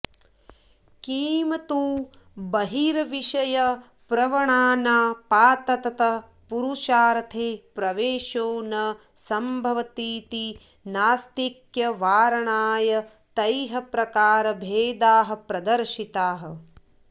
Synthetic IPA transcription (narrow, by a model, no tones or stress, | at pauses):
kiːmɐt̪uː | bɐɦiɾɐʋiʃɐjɐ | pɾɐʋɐɳaːnaːpaːt̪ɐt̪ɐt̪ɐ | puɾuʃaːɾɐt̪ʰeːpɾɐʋeːʃoːnɐ | sɐmbʱɐʋɐt̪iːt̪i | naːst̪ikjɐʋaːɾɐɳaːjɐ | t̪ɐjɦɐpɾɐkaːɾɐbʱeːd̪aːɦɐ̆pɾɐd̪ɐɾʃit̪aːɦɐ̆